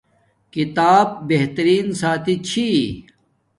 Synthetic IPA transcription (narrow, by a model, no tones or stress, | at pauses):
kit̪aːb̚ːeɦt̪ɐɾiːnsaːt̪it͡ɕʰi